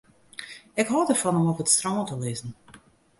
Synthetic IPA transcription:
ɪkɦɔːdərfɔnəmɔpətstrɔmətəlɪzən̩

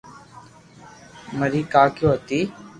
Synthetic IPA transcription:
məɾiːkaːkjõːɦət̪iː

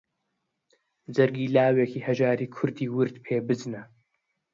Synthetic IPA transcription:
zɐɾɡiːlaːwekʰiːhɐʒaːɾiːkʰʊɾd̪iːwɨɾt̪pʰeːbɨznɐ

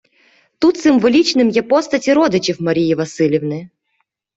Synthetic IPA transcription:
t̪ut̪sɨmvɨlʲit͡ʃnɨmjɛpɔst̪ɐtʲiɾɔd̪ɨt͡ʃifmɐɾʲijivɐsɨlʲɪvnɨ

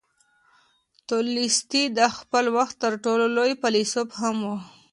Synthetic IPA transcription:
t̪olist̪id̪axpəlwaxt̪ːəɾʈololojpalisopɦamwu

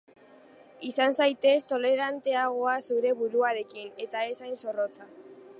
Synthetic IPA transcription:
isansajt̪e̞st̪o̞le̞ɾant̪e̞aɣ̞o̞asuɾe̞βuɾuaɾe̞kine̞t̪ae̞sajnso̞ro̞t͡sa

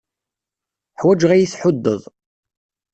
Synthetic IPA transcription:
ħwæd͡ʒʁæjiθħʊd̪ːəðˤ

